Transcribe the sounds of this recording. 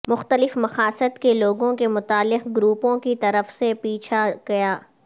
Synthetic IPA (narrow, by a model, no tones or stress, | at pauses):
mʊxt̪əlɪfmɐxaːsət̪keloːɡõkemʊt̪aːlːɪqɡɾuːpõkit̪ɐɾəfsepiːt͡ʃʰaɡ̥ɐjaː